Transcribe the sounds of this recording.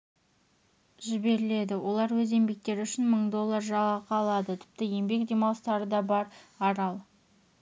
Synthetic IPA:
ʒɪbe̞ɾɪle̞d̪ɪwo̞lˠɑɾwɵze̞mbe̞k̚t̪e̞ɾʏʃɪnməɴd̪o̞lˠːɑɾʒɑləqʰɑlˠɑd̪ət̪ʰɪ̥p̚t̪ɪje̞mbe̞kd̪ʲe̞mɑlˠst̪ɑɾəd̪ɑbɑɾɑɾɑlˠ

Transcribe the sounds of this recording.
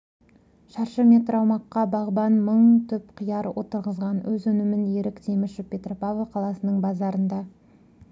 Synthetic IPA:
ʃɑɾʃəme̞t̪ɾɑwmɑqːɑbɑʁbɑnməɴt̪ʰʏpqʰijɑɾwʔo̞̰t̪əɾʁəzʁɑnwɵzɵnɪmɪnje̞ɾɪkt̪ʰemɪʃɪpʲe̞t̪ropavaqʰɑlˠɑsənəɴbɑzɑɾənd̪ɑ

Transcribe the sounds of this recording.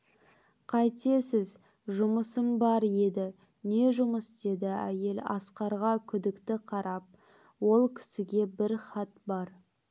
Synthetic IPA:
qʰɑjt̪e̞sɪz | ʒʊməsəmbɑɾje̞d̪ɪ | ne̞ʒʊməsd̪e̞d̪ɪæ̰je̞lɑ̰sqɑɾʁɑkʲʰʏd̪ɪkt̪ɪqʰɑɾɑp̚ | wo̞lˠkʲʰɪ̥sɪɡʲe̞bɪɾχɑt̪bɑɾ

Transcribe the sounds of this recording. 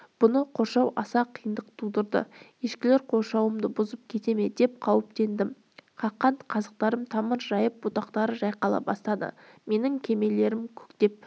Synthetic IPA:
b̥ʊnəqʰo̞ɾʃɑwɑsɑqʰijənd̪əq̚t̪ʰud̪əɾd̪ə̰ | eʃkʲɪle̞ɾqʰo̞ɾʃɑwəmd̪əbʊzəp̚kʲʰe̞t̪e̞me̞d̪e̞p̚qʰɑwɪp̚t̪e̞nd̪ɪm | qʰɑqːɑnt̪qʰɑzəq̚t̪ɑɾəmt̪ʰɑməɾʒɑjəp̚bot̪ɑqt̪ɑɾəʒɑjqɑlˠɑ̰bɑ̰st̪ɑd̪ə̰ | me̞nɪŋkʲʰe̞me̞le̞ɾɪmkʲʰʏ̥kt̪e̞p̚

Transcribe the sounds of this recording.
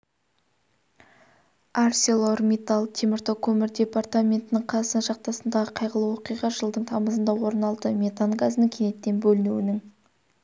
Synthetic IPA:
arsʲelˠo̞rmʲet̪alˠt̪ʰemɪɾt̪okʰɵmɪɾd̪ʲe̞part̪amʲe̞nt̪ɪnɪɴqʰɑsənʃɑq̚t̪ɑsənd̪ɑʁəqʰɑjʁəlˠəwoqijʁɑʒəlˠd̪əɴt̪ʰɑməzənd̪ɑwo̞ɾənɑlˠd̪əmʲe̞t̪anɡazənəŋkʲʰene̞t̪ːe̞nbɵlɪnuwɪnɪŋ

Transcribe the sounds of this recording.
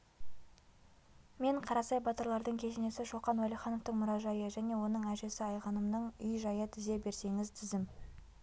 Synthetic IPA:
me̞ɴqʰɑɾɑsɑjbɑt̪əɾlˠɑɾd̪əɴkʲʰe̞ʃene̞sɪʃo̞qɑnwolʲˠijχɑnoft̪əɴmʊɾɑʒɑjəʒæne̞wo̞nəɴæʒe̞sɪɑjʁɑnəmnəɴʏjʒɑjət̪ʰɪze̞be̞ɾse̞ŋɪzt̪ʰɪzd̪ɪm

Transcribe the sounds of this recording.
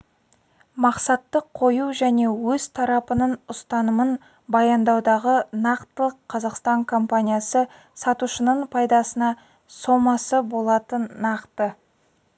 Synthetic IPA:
mɑqsɑt̪ːəqʰːo̞juʒæne̞wɵz̥t̪ʰɑɾɑpənənʊst̪ɑnəmən | bɑjɑnd̪ɑwd̪ɑʁənɑqt̪əlˠəqʰːɑzɑqst̪ɑŋkʰo̞mpanʲijasə | sɑt̪uʃənəɴpʰɑjd̪ɑsənɑ | so̞mɑsəbo̞lˠɑt̪ənːɑqt̪ə

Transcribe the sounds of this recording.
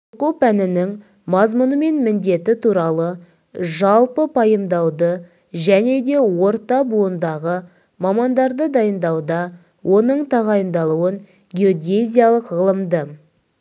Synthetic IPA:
qupænɪnɪŋ | mɑzmʊnəme̞nmɪnd̪e̞t̪ɪt̪ʰuɾɑlˠə | ʒɑlˠpəpʰɑjəmd̪ɑwd̪ə | ʒæne̞d̪e̞wo̞ɾt̪ɑbuənd̪ɑʁə | mɑmɑnd̪ɑɾd̪əd̪ɑjənd̪ɑwd̪ɑ | wʔo̞nəɴt̪ʰɑʁɑjənd̪ɑlˠuəɴ | ɡʲeo̞ɡʲezʲijalˠəqʁəlˠəmd̪ə

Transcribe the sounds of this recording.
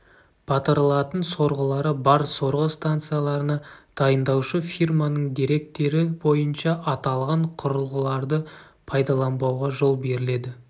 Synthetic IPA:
b̥ɑt̪əɾlˠɑt̪ənso̞ɾʁəlˠɑɾəbɑɾso̞ɾʁəst̪ant̪sɨjalˠɑɾənɑd̪̥ɑjənd̪ɑwʃəfijrmanəɴd̪iɾe̞k̚t̪ːe̞ɾɪbo̞jənʃɑʔɑt̪ɑlˠʁɑɴqʰʊɾəlˠʁəlˠɑɾd̪ə | pʰɑjd̪ɑlˠɑmbɑwʁɑʒo̞lˠbe̞ɾɪle̞d̪ɪ

